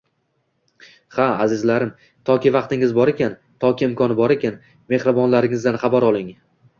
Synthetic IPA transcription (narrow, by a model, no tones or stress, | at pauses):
χaazɪzlaɾɪm | t̪ʰɒkʲɪvɑqt̪ɪŋɪzbɒɾe̞kʲan | t̪ʰɒkʲɪɪmkʰɒnɪbɒɾe̞kʲʰan | me̞hɾɪbɒnlaɾɪŋɪzd̪anχɑbaɾɒlˠɪŋ